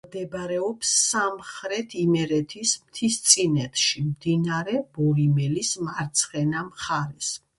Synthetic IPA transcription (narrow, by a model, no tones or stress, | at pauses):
md̪ɛbɾɛɔpsːamχɾɛt̪ʰimɛɾɛt̪ʰismt̪ʰist̪sʼinɛt̪ʰʃimd̪̥inaɾɛb̥ɔɾimɛlismaɾt̪sʰχɛnamχaɾɛs